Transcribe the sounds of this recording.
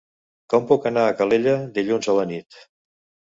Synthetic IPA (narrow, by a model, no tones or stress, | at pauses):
kɔmpukənaːkəleʎəd̪iʎunzələnit̪